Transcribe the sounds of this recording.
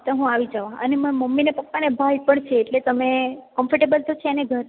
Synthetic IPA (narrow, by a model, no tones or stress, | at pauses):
t̪oɦũaʋid͡ʒəʋaə̰nemə̃məmːinepəkːanebʱajpəɳt͡ʃʰeːʈlet̪əmekəmfʰəɾʈebəlt̪ot͡ʃʰeeneɡʱəɾ